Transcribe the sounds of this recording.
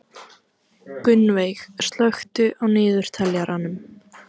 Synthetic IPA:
kʏnvejxst̪lœxt̪ʏʔawnɪːðʏɾ̥t̪ʰɛljaɾʔanʏm

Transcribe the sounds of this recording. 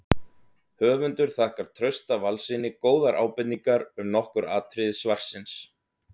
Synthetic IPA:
hœːvʏnt̪ʏɾ̥θahkaɾ̥t̪ʰɾœɥst̪avalsɪnɪkoːwðaɾʔa̰ːwpɪt̪niŋkaɾʏmnɔhkʏɾaːt̪ʰɾɪðɪsvar̥sɪns

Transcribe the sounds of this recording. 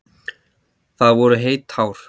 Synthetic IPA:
θaðvɔɾʏɦeːjt̪haːwɾ̥

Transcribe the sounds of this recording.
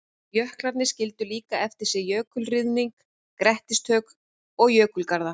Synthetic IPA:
jœhklaɾt̪nɪscɪl̪t̪ʏliːkaɛft̪ɪɾ̥sɛjœːkʏlrɪðmiŋk | kɾɛht̪ɪst̪ʰœːk | ɔɣjœːkʏlkaɾða

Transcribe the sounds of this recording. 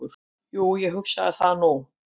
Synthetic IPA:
ʏɾ̥ | juːjɛɣɦʏksaðɪθaðnuw

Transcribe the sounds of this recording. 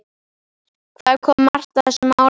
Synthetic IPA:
kʰvakʰɔːmːar̥t̪aðθɛsʏmaːw

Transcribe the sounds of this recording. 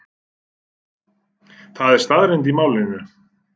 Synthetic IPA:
θaðɛɾ̥st̪aðɾejnt̪imaːwlɪnʏ

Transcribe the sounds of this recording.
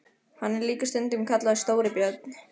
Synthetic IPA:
hanːɛɾliːkast̪ʏnt̪ɪmkʰat̪laðɪst̪oːwɾɪpjœt̪̚nɪ

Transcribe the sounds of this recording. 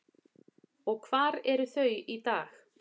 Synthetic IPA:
ɔɣkʰv̥aːɾɛɾʏθœɥit̪aːx

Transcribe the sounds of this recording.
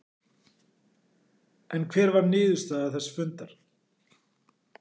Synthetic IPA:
ɛnkʰvɛːɾvaɾnɪːðʏst̪aːðaθɛsːfʏnt̪aɾ̥

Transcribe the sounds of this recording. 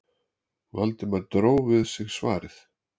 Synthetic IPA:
valt̪ɪmaɾt̪ɾoːwvɪðsɪɣsva̰ːɾɪθ

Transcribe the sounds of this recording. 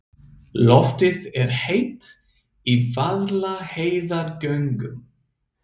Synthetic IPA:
lɔft̪ɪðɛɾ̥hejt̪ | ivaðlaheːjðaɾcœɥŋkʏm

